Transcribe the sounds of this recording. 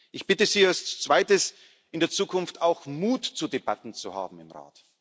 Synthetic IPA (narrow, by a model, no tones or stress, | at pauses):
ʔɪçb̥ɪtəziːast͡sv̥aɪtəs | ʔɪndeːɐt͡suːkʰʊnftaʊxmuːtt͡sudeb̥atn̩t͡suha̰ːbm̩ɪmʁa̰ːt